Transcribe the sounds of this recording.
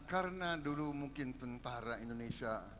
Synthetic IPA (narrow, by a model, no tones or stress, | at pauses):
kaɾənadulumuŋkɪnt̪ənt̪aɾaindonesia